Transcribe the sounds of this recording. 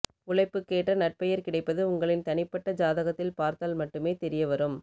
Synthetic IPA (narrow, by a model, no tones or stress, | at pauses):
ʊlɐɪpːɯkːeːʈrɐnɐʈ̚pɐjɐɾkɪɽɐɪpːɐðɯʊŋɡɐɭɪnt̪ɐnɪpːɐʈːɐd͡ʒaːðɐɣɐt̪ːɪlpaːɾt̪aːlmɐʈːɯmeːt̪ɛɾɪjɐʋɐɾɯm